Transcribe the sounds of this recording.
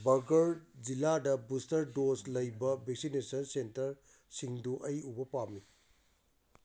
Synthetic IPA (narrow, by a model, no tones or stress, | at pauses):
bɐɡɐɾd͡ʒiladɐbustɐɾdoslɐjbɐbʱeksinesɐnsentɐɾ | siŋduʔɐjubɐpami